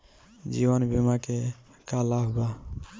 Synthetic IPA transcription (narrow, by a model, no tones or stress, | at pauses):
d͡ʒibənbimake | kalabba